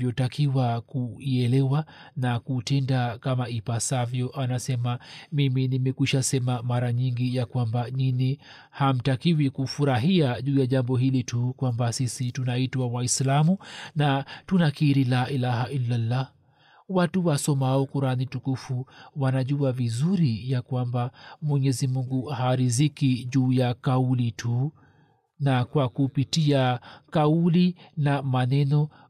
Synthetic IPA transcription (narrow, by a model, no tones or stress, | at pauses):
jɔtakiwakuiɛlɛwanakutɛndakamaipasavjɔʔanasɛmamiminimɛkiʃasɛmamaɾaɲiŋɡijakwambanini | ham̩takiwikufuɾaɦiaʄuːjaʄambɔɦilitukwambasisitunaitwawaislamunatunakiːɾilaːʔilaɦaʔilːalːa | watuwasɔmaɔkuɾanitukufuwanaʄuavizuɾijakwambamwɛɲɛzimuŋɡuhaɾizikiʄuːjakaulitʰu | nakwakupitiakaulinamanɛnɔ